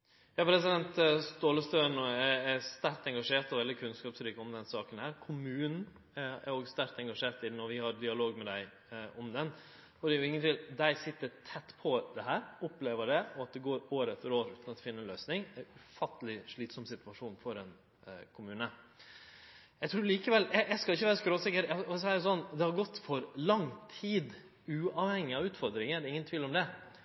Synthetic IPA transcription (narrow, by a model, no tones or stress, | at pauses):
jɑːpʰɾɛs̬ɪd̪ɛnt̪st̪oːləst̪øːnoːæst̪ɑɾ̚t̪ɛŋɡɑʂeːʈ̪ɑʋɛld̪ɪkʰʉnskɑːpsɾiːkəɔmd̪ɛnsɑːkənhæːɾkʰʊmʉːnn̩ | æ̰ɾoːɡst̪ɑɾt̪ɛŋɡɑʂeːɾʈ̪ɪnɔɾʋɪhɑɾd̪ɪɑloːɡmɛd̪æɪ | ɔmd̪ɛn | ɔd̪ɛːjʊɪŋːənt̪ʰɪld̪æɪsɪt̪ːəɾtʰɛt̪ːpʰɔd̪ɛɦæːɾʊpleːʋəɖɛɔɑt̪̚d̪ɛɡoːɾoːɾəɛt̪ːəɾoːɾʉːt̪nɑt̪ːfɪnːəɛnløːsnɪŋæɾʉfɑt̪ːəlɪʂɭiːt̪sɔmsɪt̪ʉɑʂuːnfɔɾɛn | kʰʊmʉːnə | jæɪt̪ʰɾʉːliːkəʋɛljæjæɪskɑlɪçːəʋæːɾəskɾoːsɪkːəɾæɔsɔæɾjʊsɔnːd̪ɛhɑɾɡɔt̪ːfɔɾlɑŋt̪ʰiːd̪ | ʉːɑːʋhɛŋːɪɑʋʉːt̪fɔɾd̪ɾɪŋəd̪ɪŋːənt̪ʰʋiːlɔmd̪ɛ